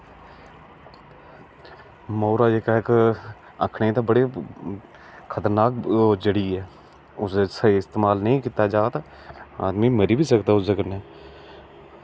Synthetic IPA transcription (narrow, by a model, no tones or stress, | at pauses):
mɔːɾaːd͡ʒekaɦk | ə̰kʰɳet̪ebəɽeː | kʰət̪əɾnaːkd͡ʒəɽiɦɛː | ʊseseɪst̪eːmaːlnəĩkɪt̪ad͡ʒaːt̪a | a̰ːd̪miːməɾiːbʱiːsəkt̪aːʊsekəɾneː